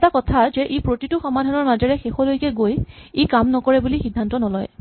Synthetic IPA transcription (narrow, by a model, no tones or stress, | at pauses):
takɔtʰazɛʔepɹotituxɔmadʱanɔɹmazɔɹɛxexɔlojkɛɡojekamnɔkɔɹɛbulixidʱːantɔnɔlɔj